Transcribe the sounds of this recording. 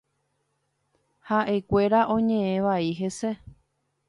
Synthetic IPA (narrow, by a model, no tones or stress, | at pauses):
haʔe̞kʷe̞ɾaʔõ̞ɲẽ̞ẽʋaiɦese̞